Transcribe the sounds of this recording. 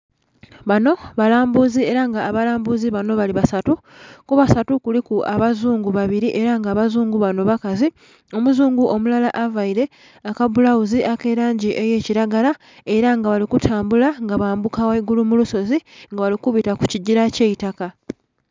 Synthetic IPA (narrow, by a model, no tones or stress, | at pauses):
βano̞βalaːmbuzie̞ɾaŋɡaːβalaːmbuziβano̞βaliβasatu | kuβasatukulikuaβazuːŋɡuβaβiɾiʔe̞ɾaŋɡaːβazuːŋɡuβano̞βakazi | o̞muzuːŋɡuʔo̞mulalaʔavaiɾe̞ | akabulawuziʔake̞ɾaːɲɟiʔeje̞ːciɾaɡala | e̞ɾaŋɡaβalikutʰaːmbulaŋɡaβaːmbukaweiɡulumuluso̞ziŋɡaβalikuβitaku̥ciɟiɾace̞ːitaka